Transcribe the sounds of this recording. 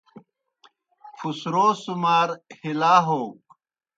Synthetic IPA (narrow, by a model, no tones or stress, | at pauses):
fʰusɾoːsumaːɾhilaːɦoː